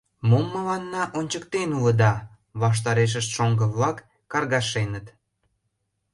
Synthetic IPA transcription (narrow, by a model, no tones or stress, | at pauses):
momːəlɑnːɑʔonʲt͡ɕəkt̪enulə̆d̪ɑ | βɑʃ̬t̪ɑɾeʃ̬əʃt̪ʃoŋɡəβlɑkː | ɑrɣɑʃenət̪